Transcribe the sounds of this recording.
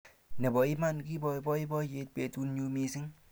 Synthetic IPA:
nɛ˨bɔ˨i˦ma˦nki˦bɔ˨bɔ˦i˦bɔ˦je˧t̚pe˨tu˦nɲu˧mi˧sɪ˦ŋ

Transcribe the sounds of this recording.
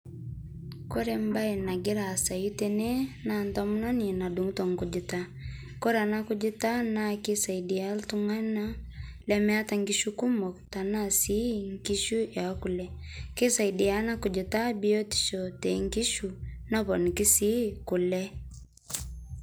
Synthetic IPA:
kɔ˦ɾɛmba˦ɛ˨na˨ɡi˦ɾa˨sa˨ju˦tenɛ˦nantɔmu˦nɔ˦ni˨na˨du˨ŋtɔ˨ŋkud͡ʒi˨ta | kɔ˦ɾa˨na˦kud͡ʒi˦ta˦naki˦sa˨idialtu˦ŋa˦na | lɛmɛa˦ta˨ŋɡiʃuku˦mɔ˨kta˨nasi˦ŋki˦ʃu˦jaku˨lɛ | ke˦saidi˨ana˦ku˨d͡ʒi˨ta˦bi˦ɔ˦ti̥˨ʃɔtɛ˨ŋki˦ʃunɔ˦βɔ˨ni˨ki˦si˦ku˨lɛ

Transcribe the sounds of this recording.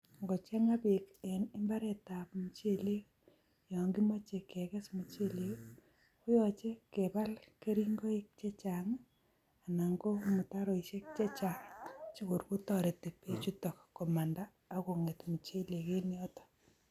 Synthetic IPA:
ŋɡo˨t͡ʃɛ˦ŋa˦be˨kɛ˨nɪ˦mba˦ɾɛ˨ta˨pmu˨t͡ʃe˦˨le˦ | jɔ˨ŋɡi˦mɔ˦t͡ʃe˨kɛ˨kɛ˦smu˨t͡ʃe˦le˦ | kʊ˦jɔt͡ʃe˦ke˨ba˦lke˦ɾi˦ŋɡo˦i˦k̚t͡ʃe˦t͡ʃa˨ŋ | a˨na˨ŋɡo˦mu˨ta˦ɾo˨i˨ʃe˦k̚t͡ʃe˦t͡ʃa˨ŋt͡ʃi˦kʊ˨ɾku˦tɔ˨ɾe˨te˨pe˦t͡ʃu˦to˨kkːɔ˨ma˨ndaː˦ko˨ŋe˨tmu˨t͡ʃe˦le˨ke˦ni˦ɔ˦tɔ̥˨

